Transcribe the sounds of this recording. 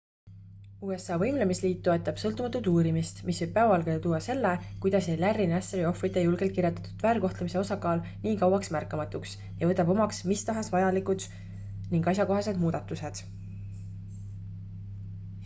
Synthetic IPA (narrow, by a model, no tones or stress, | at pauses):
uːe̞sɑːvɤ̞jmlemisliːt̪̚t̪ːo̞et̪ːˑɑb̥sɤlt̪ːumɑt̪ːˑud̪uːɾimist̪misvɤjb̥pæːvɑlɡ̥ed̪et̪uːɑse̞lːekujd̪̥ɑsejlærːinæseɾio̞frit̪ːˑe̞julɡ̥elt̪kirɾje̞t̪ːɑ̥t̪ːˑu̥d̪̥væːɾko̞ht̪lemise̞o̞sɑkɑːlniːkɑwɑksmærkːˑɑmɑt̪ːˑuks | jɑvɤ̞t̪ːˑɑb̥o̞mɑksmist̪ɑɦɑsvɑjɑlikˑud̪̥ | niŋɡ̥ɑs̬ʲjɑko̞ɦɑse̞d̪̥muːd̪̥ɑt̪ːˑuse̞d̪̥